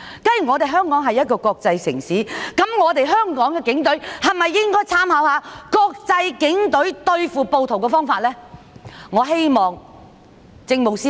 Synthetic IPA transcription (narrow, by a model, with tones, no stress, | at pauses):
kɐ˥nɥy˨˩ŋɔː˨˧t̪e˨jɦœː˥ŋkɔː˨˥ŋɦɐ˨jɐ˥t̚kɔː˧kɔː˧k̚t͡sɐ˧jsɪ̰˨˩ŋsiː˨˥kɐ˨˥mŋɔː˨˧t̪e˨jɦœː˥ŋkɔː˨˥ŋkɛ˧kɪ˨˥ŋt̪ɵ˨˥ɥhɐ˨mɐ˨jːɪ˥ŋkɔː˥jt͡sʰaː˥mhɐ˨˥whaː˨˧kɔː˧k̚t͡sɐ˧jkɪ˨˥ŋt̪ɵ˨˥ɥt̪ɵ˧ɥfuː˨po˨˧wt̪ʰo˨˩wkɛ˧fɔː˥ŋfaː˧t̚lɛː˥ | ŋɔː˨˧ɦe˥jmɔː˨˩ŋ | t͡sɪ˧ŋmo˨wsiː˥